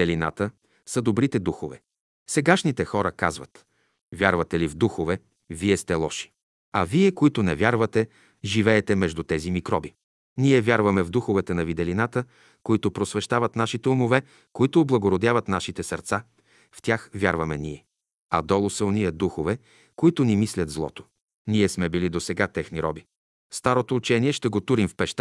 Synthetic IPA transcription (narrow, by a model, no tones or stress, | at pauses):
ɛlina̰t̪ə | sɐd̪obɾit̪ɛd̪uxovɛ̰ | sɛɡaʃnit̪ɛxɔɾəkazvɐ̰t̪ | vʲjaɾvɐt̪ɛlivd̪uxovɛ | viɛst̪ɛlˠɔʃi̥ | ɐviɛkoit̪ʊnɛvʲjaɾvɐt̪ɛ | ʒivɛːt̪ɛmɛʒd̪ut̪ɛzimikɾɔbi | nʲiɛvʲjaɾvɐmɛvd̪uxovɛt̪ɛnɐvid̪ɛlinat̪ə | koit̪ʊpɾosvɛʃt̪avɐt̪naʃit̪ɛʊmovɛ | koit̪oːblˠɐɡoɾod̪ʲjavɐt̪naʃit̪ɛsɐɾt̪sa | ft̪ʲjaxvʲjaɾvɐmɛniɛ | ɐd̪ɔlˠosəniɛd̪uxovɛ | koit̪ʊnimislʲɐt̪zlˠɔ̰t̪o̥ | niɛsmɛbilid̪osɛɡat̪ɛxniɾɔ̰bi | st̪aɾot̪oːt͡ʃɛniɛʃt̪ɛɡot̪uɾimfpɛʃt̪